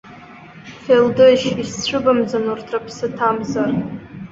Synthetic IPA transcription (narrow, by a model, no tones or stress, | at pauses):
feldɨʃist͡ɕʷʰɨbamd͡zanurtʰrapʰsɨtʰamzar